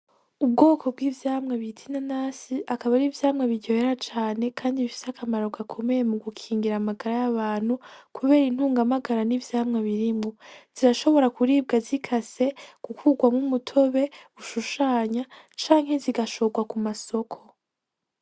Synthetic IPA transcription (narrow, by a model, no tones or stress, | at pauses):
ub̚ɡo̞ːkʰo̞b̚ɡiːvjaːmŋeβitʰinanaːsiʔakaβaɾivjaːmŋeβidɟoheɾat͡ʃaːne̞kʰaːndiβifi̥sakʰamaɾo̞ɡakʰo̞me̞je̞muɡukʰiːŋɡiɾamaɡaɾajaβaːn̥hukʰuβe̞ːɾin̥huːŋɡamaɡaɾanivjaːmŋeβiɾimŋoz̥iɾaʃo̞βo̞ɾakuɾiːbɡazikʰase̞kukʰuɡwamumutʰo̞βe̞uʃuʃaːɲa | t͡ʃaːŋhe̞ziɡaʃo̞ɡwakumaso̞kʰo̞